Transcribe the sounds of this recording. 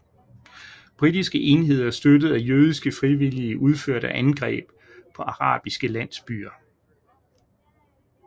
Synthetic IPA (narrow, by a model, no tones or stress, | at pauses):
b̥ʁid̥isɡ̥əʔe̝nɦe̝ð̞̰ˠɐsd̥ødəð̩ˠæjøːð̞ˠisɡ̥əfʁiʋiliəʔuð̞ˠføɐ̰ɾəʔænɡ̥ʁɛ̰ːb̥ | pʰɒ̽ɑ̈ʁɑ̰̈ːb̥isɡ̥əlæn̰sb̥y̰ːɐ